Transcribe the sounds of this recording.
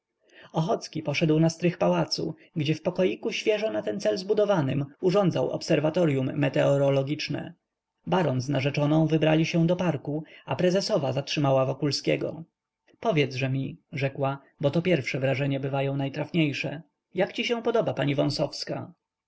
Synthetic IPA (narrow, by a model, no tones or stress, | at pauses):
ɔxɔt̪skʲipɔʂɛd̪wnast̪ɾɘxpawat̪sṵ | ɡd͡ʑɛfpɔkɔjikuɕfʲjɛʐɔnat̪ɛnt̪sɛlzbud̪ɔvanɘmuʐɔnd̪zawɔ̰psɛɾvat̪ɔɾjumːɛt̪ɛɔɾɔlɔɡʲit͡ʂnɛ̰ | baɾɔnznaʐɛt͡ʂɔnɔ̃w̃vɘbɾalʲiɕɛ̃w̃d̪ɔpaɾkuapɾɛzɛsɔvazatʂɘmawavɔkulskʲɛ̰ɡɔ̰ | pɔvʲjɛd̪zʐɛmʲiʐɛkwa | bɔt̪ɔpʲjɛɾfʂɛvɾaʐɛɲɛbɘvajɔ̃w̃najt̪ɾafɲejʂɛ | jakt͡ɕiɕɛ̃w̃pɔd̪ɔbapaɲivɔ̃w̃sɔfska̰